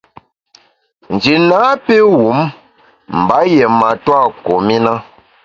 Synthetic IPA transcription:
n̩˨d͡ʒi˨na˨˦pe˦wu˨˦m | m̩˨ba˨˦jɛ˨ma˨twa˦˨ko˨mi˦na˦

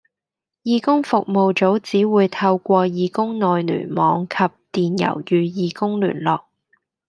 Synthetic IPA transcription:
jiː˧kʊ˥ŋfʊ˨k̚mo˨wt͡so˨˥wt͡siː˨˥wuː˨˧jt̪ʰɐ˧wkʷɔː˧jiː˨˧kʊ˥ŋnɔː˨jny̰ː˨˩nmɔː˨˧ŋkʰɐ˨p̚t̪iː˨njɐ̰˨˩wjyː˨˧jiː˨˧kʊ˥ŋly̰ː˨˩nlɔː˨k̚

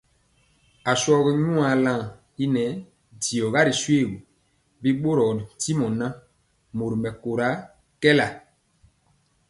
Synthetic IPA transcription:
a˨sɔ˦ɣɛ˦ɲũ˦a˨lã˦˨ | i˦nɛ˨˦ | ti˨ɔ˨ɣa˦ɾi˨swe˦˨ɡu˨ | bi˦ɓo˦ɾɔ˨di˨ti˦mɔ˨nã˦ | mo˨ɾi˨mɛ˨ko˨ɾa˦ | kɛ˦la˨

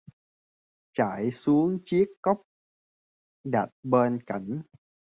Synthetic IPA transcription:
t͡ɕaː˧˩jsu˨˦əŋt͡ɕi˦˥əkːɔ˦˥wk͡p̚ | ɗa̰˨˩t̚ɓe˧nka˧˩jŋ̟

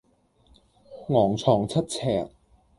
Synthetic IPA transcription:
ŋɔː˨˩ŋt͡sʰɔː˨˩ŋt͡sʰɐ˥t̚t͡sʰɛː˨˩k̚

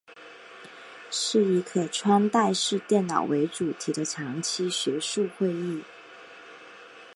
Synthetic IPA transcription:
ʂɻ̩˥˩i˧˥kʰə˨˩ʈ͡ʂʰwa˥nt̪a˥˧ɪʂɻ̩˥˧t̪jɛ˥˩nnɑ̰˨˩ʊwe˧˥ɪʈ͡ʂu˨˩t̪ʰi˧˥d̪ə˧ʈ͡ʂʰɑ˧˥ŋt͡ɕʰi˥ɕɥɛ˧˥ʂu˥˧xwe˥˧ɪi˥˩

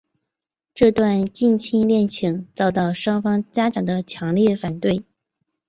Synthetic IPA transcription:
ʈ͡ʂɤ˥˧t̪wa˥˧nt͡ɕi˥˧nt͡ɕʰi˥ŋljɛ˥˩nt͡ɕʰi˧˥ŋt͡sɑ˥˧ʊt̪ɑ˥˩ʊʂwɑ˥ŋfɑ˥ŋt͡ɕja˥ʈ͡ʂɑ˨˩ŋd̪ə˦t͡ɕʰjɑ˧˥ŋljɛ˥˩fa˨˩nt̪we˥˩ɪ

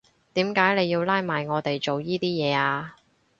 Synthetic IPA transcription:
t̪iː˨˥mkaː˨˥jne˨˧jiː˧wlaː˥jmaː˨jŋɔː˨˧t̪e˨jt͡ʃo˨wjiː˥t̪iː˥jɛː˨˧aː˧

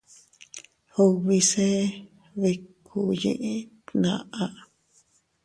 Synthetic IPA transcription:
ho˧βi˧se˦ | βe˧kʰu˧jḭ̃˧ʔĩ˧ | nã̰˧ʔã˧

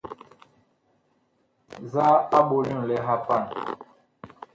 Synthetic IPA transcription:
za˦a˦ɓo˨lũ˦˨lɛ˦ɦa˦pa˦˨n

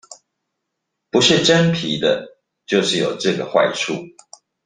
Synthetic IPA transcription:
pu˨˦ʂɻ̩˥˨ʈ͡ʂə˦npʰi˨˦d̪ə˨ | t͡ɕjo˥˧ʊʂɻ̩˥˩˨jo̰˨˩ʊʈ͡ʂɤ˥˩ɡə˩xwa̰˥˧ɪʈ͡ʂʰu˥˩

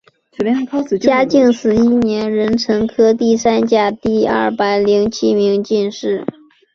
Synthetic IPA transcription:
t͡ɕja˥t͡ɕi˥˩ŋsɹ̩˨˩i˥njɛ˧˥nɻə˧˥nʈ͡ʂʰɤ˧˥ŋkʰɤ˥t̪i˥˩sa˥nt͡ɕja˥˧t̪i˥˧ɐ̰˥˩pa˨˧˩ɪli˧˥ŋt͡ɕʰi˥mi˧˥ŋt͡ɕi˥˧nʂɻ̩˥˩

